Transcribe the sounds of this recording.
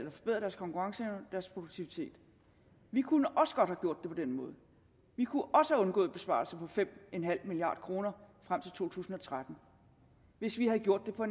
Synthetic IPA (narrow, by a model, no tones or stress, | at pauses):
lɐfɒ̽b̥e̝ðˠʁɐd̥æɐskʰɒ̽ŋkuʁɑ̈ŋsəd̥æɐspʰʁo̝d̥uɡ̥̚t͡sʰiʋit͡sʰe̝̰ːd̥ | ʋikʰunəʔɒ̽sə̥ɡ̥ɒ̽d̥hæɡ̥jo̝ɐ̰d̥ːepʰɒ̽d̥enmɔ̽ːðˠ | ʋikʰuʔɒ̽səhæɔ̽nɡɔ̰ːð̩ˠb̥e̝sb̥ɑ̰̈ːlsɐpʰɒ̽fem̰enɦæl̰miliɑ̰̈ːd̥kʰʁo̝ːnɐfʁam̰t͡sʰe̝lt͡sʰo̝̰ːt͡sʰṵːsn̩ɒ̽t͡sʰʁad̥n̩ | ʋe̝sʋihæðˠɡ̥jo̝ɐ̰d̥ːe̝pʰɒ̽e̝n